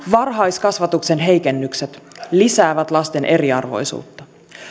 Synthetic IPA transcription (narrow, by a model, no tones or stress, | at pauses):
ʋɑrɦɑjskɑsʋɑt̪ukse̞nɦe̞jke̞nːykse̞t̪lisæːʋæt̪lɑst̪e̞nʔe̞ɾiɑ̰rʋo̞̰jsṵːt̪ːɑ